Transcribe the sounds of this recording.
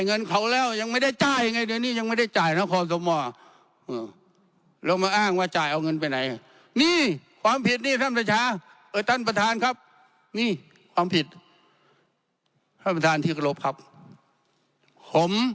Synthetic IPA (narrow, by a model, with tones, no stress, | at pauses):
jŋɤ˧˨nkʰa˧˦˩wlɛː˧˥˨wɲa˧ŋma˧˩˨jda˧˩jt͡ɕaː˧˩ja˧ŋa˧˩jdɯ˧˦niː˧˥˩ɲa˧ŋma˧˥˩jda˧˩jt͡ɕaː˨˩jna˧˥˨kʰɔː˧˦s̬o˧˦mɔː˧˩ | ʔɯː˧˩ | lɛː˧˩wmaː˧ʔaː˧˥˩ŋwaː˧˨t͡ɕaː˨˩jʔa˧wŋɤ˧˨np̬a˨˧jna˨˦j | niː˧˥˩kʰwaː˧˦mpʰi˨˧˩t̪̚niː˧˩t̪ʰa˧˥˨mpʰa˧˩t͡ɕʰaː˧˥˨ | ʔɤː˧˩jt̪ʰa˧˥˨npa˧t̪ʰaː˧˥nkʰa˦˧˥p̚ | niː˧˥˨ | kʰwaː˨˧˦mpʰi˨˩t̪̚ | t̪ʰaː˧˩˨pa˧t̪ʰaː˨˧˦nt̪ʰiː˧˩ka˧lo˧˩p̚kʰa˧˥p̚ | kʰo˨˧˦m